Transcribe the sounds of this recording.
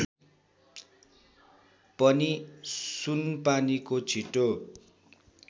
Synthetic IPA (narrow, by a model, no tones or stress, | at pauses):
pʌnisunpanikot͡sʰiʈo